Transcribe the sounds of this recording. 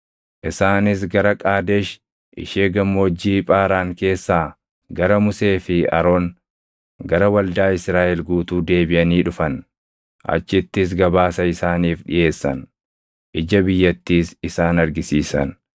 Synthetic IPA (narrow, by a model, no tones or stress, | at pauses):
ʔɪsaːnɪs̬ɡɐɾɐkʼaːd̪eʃ | ʔɪ̰ʃeːɡɐmːo̞ːd͡ʒːiːpʼaːɾaːŋke̞ːsːaː | ɡɐɾɐmʊse̞ːfɪɐ̰ɾo̞ːŋ | ɡɐɾɐwɐld̪aːɪsɾaːʔɛlɡuːt̪uːd̪e̞ːbɪʔɐniːᶑʊfɐn | ʔɐ̰t͡ʃːɪt̪ːɪs̬ɡɐbaːsɐɪsaːniːfᶑɪ̰je̞ːsːɐ̰n | ʔɪd͡ʒɐbɪjːɐt̪ːiːsɪsaːnɐɾɡɪsiːsɐ̰n